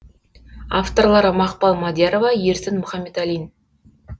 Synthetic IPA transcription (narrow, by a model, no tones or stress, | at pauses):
aft̪o̞rlˠɑɾəmɑqpɑlˠmɑd̪jeɾovɑjeɾsɪnmʊχɑmːe̞t̪ælijn